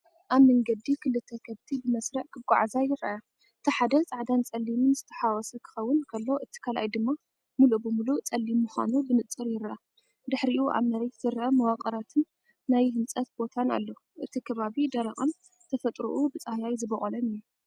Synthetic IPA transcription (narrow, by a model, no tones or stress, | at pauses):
ʔaβmɐŋɡɐd̪ikʰɨlɨt̪ʰːɐkʰɐβt̪ʰibɨmɐsɾɐʕkʰɨɡʷʼa̰ʕzajɪɾaja | ʔɨt̪ʰiħad̪ɐt͡sʼaʕd̪ant͡sʼɐlːimɨnzɨt̪ʰɐ̥ħawɔsukʰɨ̥xɐwːʊnkʰɐlːo̞ʔɨt̪ʰi̥kʰalʔa̰jd̪ɨmːa | mulubɨmulut͡sʼɐlːimːuxa̰nubɨnɨt͡sʼɨɾjɪɾʔa | d̪ɨħɾiʔuʔa̰βnɐɾet̪z̥ɨɾʔɐmɐwaqʼɐɾat̪ʰɨnː | ajhɨnt͡sʼɐt̪bo̞t̪ʰana̰lːo | ʔɨt̪ʰikʰɐβaβid̪ɐɾɐχʼɐn | t̪ʰɐfɐt̪ʼɾṵʔubɨt͡sʼahjajzɨbɐχʼɐlɐnɨjːu